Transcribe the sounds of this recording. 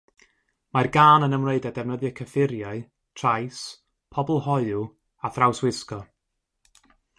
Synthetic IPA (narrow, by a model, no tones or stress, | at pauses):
marɡaːnənəmreɨdadɛvnəðjəkʰəfɪɾjaɨ | tʰrajs | pʰɔbɔlˠhɔɨu | aθrawswɪskɔ